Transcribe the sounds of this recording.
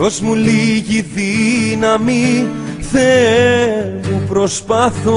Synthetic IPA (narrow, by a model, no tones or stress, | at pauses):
ozmuliʝiðinɐmi | θe | mupɾo̞spɐθo